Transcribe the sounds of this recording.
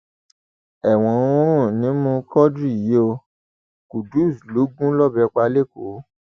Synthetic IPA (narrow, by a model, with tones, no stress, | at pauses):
ɛ˨w̃ɔ̃˧ũ˦ɾ̃ũ˦˨nĩ˨˦mũ˧kɔ˦dɾi˦˨ji˨˦o˧ | ku˨du˦˨slu˨˦ɡũ˦lɔ˦˨bɛ˧k͡pa˧˦le˦˨ko˨˦